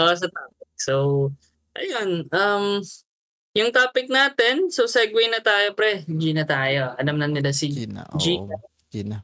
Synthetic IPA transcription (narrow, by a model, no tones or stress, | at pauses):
ʔs̬ɐt̪aːp̚ɪk̚sow | ʔɐ̰jonʔɐm | jʊŋt̪aːpɪk̚naːt̪ɛnsowsɛɡwejnɐt̪aːjopɾɛd͡ʒinɐt̪aːjo̞ʔɐlamnɐnɪlasid͡ʒikɐ